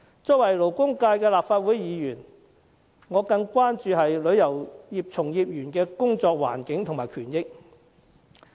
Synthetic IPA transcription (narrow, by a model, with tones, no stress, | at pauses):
t͡sɔː˥wɐ˨˩jlo˨˩wkʊ˥ŋkaː˧jkɛː˧laː˨pfaː˧t̚wuː˨˥jjiː˨˧jyː˨˩n | ŋɔː˨˧kɐ˧ŋkʷaː˥nt͡ʃyː˨˧ɦɐ˨jlɵ˨˧ɥjɐ˨˩wjiː˨p̚t͡sʰʊ˨˩ŋjiː˨p̚jyː˨˩nkɛː˧kʊ˥ŋt͡sɔː˧k̚wa̰ː˨˩nkɪ˨˥ŋt̪ʰʊ˨˩ŋmaː˨˩jkʰyː˨˩njɪ˥k̚